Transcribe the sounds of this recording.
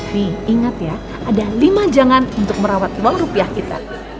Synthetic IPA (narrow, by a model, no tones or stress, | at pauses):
nihiŋat̪ja | ʔadalimad͡ʒaŋanunt̪ʊk̚məɾawat̪luaŋrupiahkit̪a̰